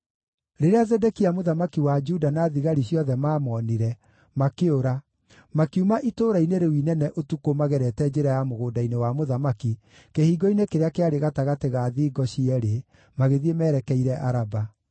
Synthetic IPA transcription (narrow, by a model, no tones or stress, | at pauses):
ɾeɾeazɛdɛkiamoðamakiwad͡ʒudanaðiɣaɾiɕjɔðɛmaːmɔniɾɛ | makeoɾa | makiumaʔitoːɾaineɾewinɛnɛʔotukomaɣɛɾɛtɛd͡ʒeɾajamoɣoːdainewamoðamaki | kehiːɡɔinekeɾeakeaɾeɣataɣateɣaːðiːɡɔɕiɛɾe | maɣeðiemɛːɾɛkɛiɾɛʔaɾaba